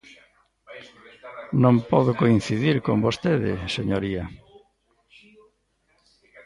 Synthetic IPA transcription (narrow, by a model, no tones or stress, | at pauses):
nõmpɔðʊkoin̟θiðiɾkombost̪eðɪ̰seɲoɾia